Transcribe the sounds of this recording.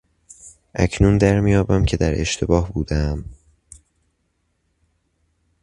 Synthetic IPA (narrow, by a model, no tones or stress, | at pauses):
ʔæcʰnuːnd̪æɾmijɒːbæmcʰe̞d̪æɾe̞̰ʃt̪ʰe̞bɒːhbuːd̪ææm